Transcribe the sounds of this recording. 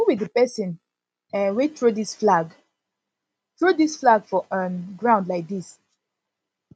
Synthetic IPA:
owidəpɛsə̃n | ɛ̃nwetɹudisflaɡ | tɹudisflaɡfɔʔə̃nɡɹãʊ̃ndlaɪk̚dis

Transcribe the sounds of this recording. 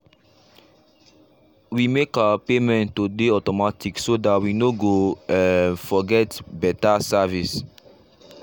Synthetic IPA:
wimekaapemɛ̃nːodeɔtɔmatiksodatwinoɡoɛ̃nfɔɡɛtbɛtasavis

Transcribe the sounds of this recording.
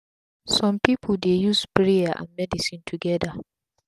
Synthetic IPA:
sɔ̃mpipʰʊldejuspɹiaʔã̰nmɛdisĩntʰuɡɛda

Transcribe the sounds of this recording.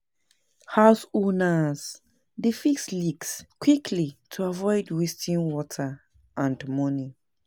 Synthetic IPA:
haʊsonaz | difikslikskʰwikʰlitʰuavɔɪdwistʰĩnwɔtʰə | ʔãndmɔni

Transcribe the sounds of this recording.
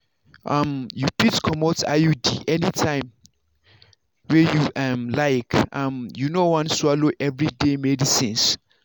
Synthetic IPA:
ʔãmjutɹitkʰɔmota̰jodḭʔɛnitʰãɪ̃m | wɛjuʔãmlaɪkãmjunowãnswaloʔɛvɹidemɛdisĩns

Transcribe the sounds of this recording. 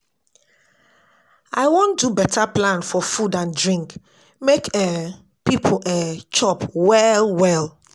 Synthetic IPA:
aɪwõndubɛtʰaplãnfɔfudãndɹĩŋk | mekɛ | pipʰoɛt͡ʃɔpwɛlwɛlˠ

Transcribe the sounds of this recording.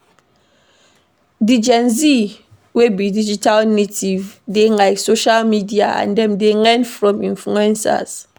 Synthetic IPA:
did͡ʒɛ̃nzi | webidid͡ʒitalnetivdelaɪksoʃalmidiaʔã̰ndɛ̃mdelɛ̃ndfɹɔ̃mĩnfluɛ̃nsa̰s

